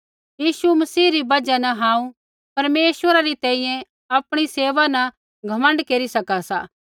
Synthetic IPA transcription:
jiːsumɐsiːɾibɐd͡ʒanɐɦãːũ | pɐɾmeːsʋəɾaɾit̪ɛ̃ːĩjɛ̃ | ɐpɽ̃iseːʋanɐ | ɡʱɐmə̃ɳɖkeːɾisɐkasaː

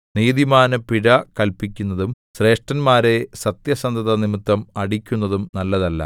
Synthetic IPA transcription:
niːðimaːnɐpiɽɐkɐlpikʲːunːɐðum | ɕre̞ːʂʈɐnmaːɾe̞sɐt̪jɐsɐnd̪ʱɐðɐnimit̪ːɐmɐɽikʲːunːɐðumnɐlːɐðɐlːɐ̰

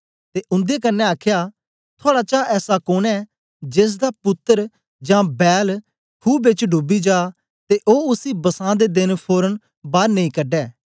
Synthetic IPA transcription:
t̪eːʔʊ̃nd̪ekənːɛaːkʰjaː | t̪ʰoaːɽat͡ʃaːʔɛːsakoːnɛː | d͡ʒeːs̬d̪apʊt̪ːəɾ | d͡ʒãːbɛːl | kʰuːbɪt͡ʃɖʊbid͡ʒaː | t̪eʔoːʊsibɐsãːd̪ed̪ɪnpʰoːɾən | baːɾnɐĩːkɐɖɛː

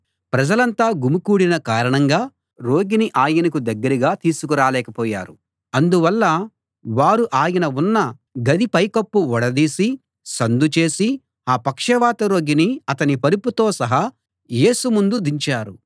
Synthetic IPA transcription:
pɾɐd͡ʒɐlɐnt̪aːɡumukuːɽinɐkaːɾɐɳɐŋɡaː | ɾo̞ːɡiniʔaːjɐnɐk̬ud̪ɐɡːɐɾiɡaːt̪iːsukuɾaːlɛːkɐpɔːja̰ːɾu | ɐnd̪uʋɐlːɐ | ʋaːɾuʔaːjɐnɐunːɐ | ɡɐd̪ipɐjkɐpːuɔɽɐd̪iːsi | sɐnd̪ut͡ʃe̞ːsi | aːpɐkʂɐʋaːt̪ɐɾo̞ːɡiniɐt̪ɐnipɐɾiput̪o̞ːsɐɦɐ | je̞ːsumund̪ud̪iɲt͡ʃaːɾṵ

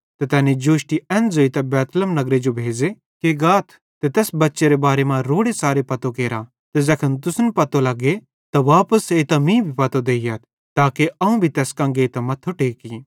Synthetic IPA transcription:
t̪ɐt̪ɛːnẽd͡ʒoːʃʈiɛ̃ːnzoit̪ɐbɛːt̪ləmnɐɡɾed͡ʒobʱeːd͡ʒe | keɡaːt̪ʰ | t̪et̪ɛːsbɐtːʃeɾebaːɾemãɾoːɽesaːɾepɐt̪okeːɾa | t̪ezɐkʰənt̪̬ʊsnpɐt̪olɐɡe | t̪ɐʋaːpəseːt̪amĩːbʱipɐt̪od̪eːijaːt̪ʰ | t̪aːkeɐũbʱit̪ɛːskɐ̃ːŋɡet̪amɐt̪ʰːoʈeːki

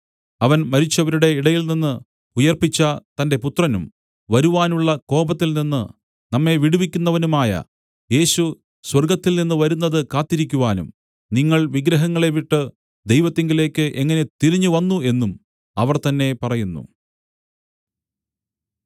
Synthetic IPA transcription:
ɐʋɐnmɐɾit͡ɕːɐʋɐɾuɽe̞iɽɐjilninːɨ | ujɐrpit͡ɕːɐt̪ɐnde̞put̪rɐnum | ʋɐɾuʋaːnuɭːɐko̞ːbɐt̪ːilninːɨ | nɐmːe̞ʋiɽuʋikʲːunːɐʋɐnumaːjɐ̰ | je̞ːɕu | swɐrɡɐt̪ːilninːɨʋɐɾunːɐðɨkaːt̪ːiɾikʲːuʋaːnṵm | niŋːɐɭʋiɡɾɐɦɐŋːɐɭeʋiʈːɨ | d̪e̞jʋɐt̪ːeŋɡile̞ːkːɨʔe̞ŋːɐne̞t̪iɾiɲːuʋɐnːue̞nːum | ɐʋɐrt̪ɐnːe̞pɐrɐjunːṵ

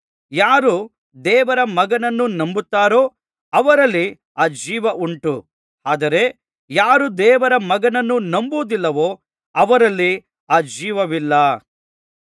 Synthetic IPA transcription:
jaːɾu | d̪ɛːʋɐɾɐmɐɡɐnɐnːunɐmbut̪ːaːɾo̞ː | ɐʋɐɾɐlːi | aːd͡ʒiːʋɐʔuɳʈu | aːd̪ɐɾe̞ | jaːɾud̪ɛːʋɐɾɐmɐɡɐnɐnːunɐmbuːd̪ilːɐʋoː | ɐʋɐɾɐlːi | aːd͡ʒiːʋɐʋilːɐ

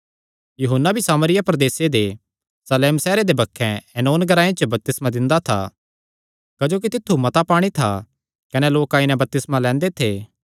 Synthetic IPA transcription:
juɦənːabʱisaːməɾɪjapɾɐd̪eːsed̪e | sɐleːmsɛːɾed̪ebɐkʰːɛ̃ɛnoːnɡɐɾaːẽt͡ʃəbɐp̚t̪ɪsmad̪ɪ̃nd̪at̪ʰa̰ | kɐd͡ʒoːk̬it̪ɪt̪ʰːumɐt̪apaːɽ̃it̪ʰa | kɐnɛloːkãːɪnɛ̃bɐp̚t̪ɪsmalɛ̃ːnd̪et̪ʰeː

